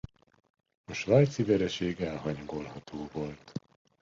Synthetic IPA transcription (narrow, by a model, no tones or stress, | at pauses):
ɒʃvajt̪sivɛɾɛʃeːɡɛlɦɒɲoɡolhɒt̪ʰoːvo̞lt̪